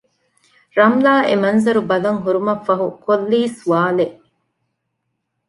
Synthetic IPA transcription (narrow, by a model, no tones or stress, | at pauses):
ɾɐmlaːʔemɐnzɐɾubɐlɐŋɦuɾumɐfːɐɦukolːiːsuaːleʔ